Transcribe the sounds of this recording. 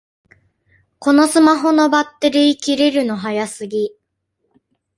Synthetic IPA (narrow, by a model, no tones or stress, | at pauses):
ko̞no̞sɨmaɦo̞no̞bat̪ːe̞ɾʲiːkʲiɾeɾɯ̟no̞ɦajasɨɡʲi